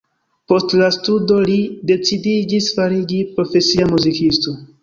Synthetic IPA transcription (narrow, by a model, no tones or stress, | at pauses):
po̞stlastudo̞lide̞t͡sidid͡ʒisfaɾid͡ʒipɾo̞fe̞siamuzikisto̞